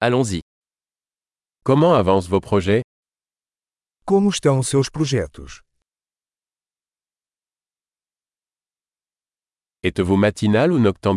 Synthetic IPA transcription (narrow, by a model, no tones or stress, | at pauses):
alɔ̃zi | kɔmɑ̃avɑ̃svopχɔʒɛ | komuʃt̪ɐ̃w̃usewʃpɾuʒɛt̪ṵʃ | ɛt̪vumat̪ʰinalunɔk̚t̪ɔ̃